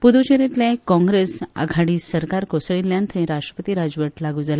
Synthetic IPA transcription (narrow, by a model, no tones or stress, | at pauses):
pud̪ut͡ɕeɾit̪lẽkɔ̃ŋɡɾesa̰ɡʱaɽiːsəɾkaɾkosɭiljãnt̪ʰəĩɾasʂʈɾəpət̪iːɾad͡zʋəʈlaɡud͡zala